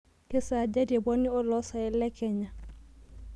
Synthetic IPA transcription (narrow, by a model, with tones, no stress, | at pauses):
kɛ˦sa˨d͡ʒɛ˦dɛ˨bɔ˦nɪ˦ɔ˦lɔ˦sa˨ɛ˦lɛ˦kɛ˨ɲa˨